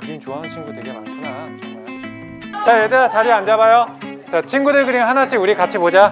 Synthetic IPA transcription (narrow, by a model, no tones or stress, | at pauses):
kɯɾiŋt͡ɕoaɦant͡ɕʰinɡudɯɡe̞maɭs͈ʰɯna | t͡ɕajedaat͡ɕaɾiand͡ʑaβajot͡ɕat͡ɕʰinɡudɯɭkɯɾiŋɦanat͡ɕʰiuɾikat͡ɕʰipod͡ʑa